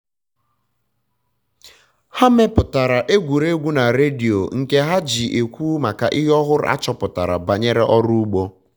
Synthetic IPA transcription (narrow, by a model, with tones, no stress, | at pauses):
ha˦me˦pʊ˨ta˨ɾa˨ʔe˦ɡʷu˨ɾe˦ɡʷu˦na˨ɾe˦di˨o˨ŋ̩˨ke˦ɦa˦d͡ʒi˨ʔe˨kʷuː˦ma˨ka˨ʔɪ˦ɦɔ˦ɦʊ˦ɾʊ̰˦a̰˦t͡ʃɔ˦pʊ˨ta̰˨ɾa̰˨ba˨ɲe˦ɾe˦ʔɔ˦ɾu˦u˦ɡ͡bo˦